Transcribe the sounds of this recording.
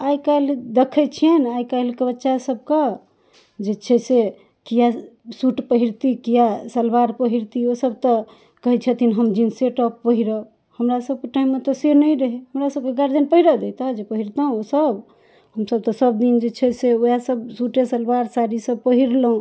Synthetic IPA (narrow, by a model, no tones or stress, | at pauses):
ajkald̪ekʰɛt͡ʃʰijenajkəlkebətːʃasəb̚ke | d͡ʒet͡ʃʰɛse | kijasuʈpəɦiɾt̪ikijasəlbaɾpəɦiɾt̪iosəb̚t̪ɔ | kəɦɛt͡ʃʰət̪ʰinɦəmd͡ʒinseʈɔpːəɦiɾə | həmɾasəb̚keʈaimːet̪ɔsenəjɾəɦehəmɾasəb̚keɡaɾd̪inpəɦiɾəd̪et̪ad͡ʒepəɦiɾt̪aũosəb | həmsəb̚t̪ɔsəbd̪ind͡ʒet͡ʃʰɛseojasəbsuʈesəlbaɾsaɾisəb̚pəɦiɾləũ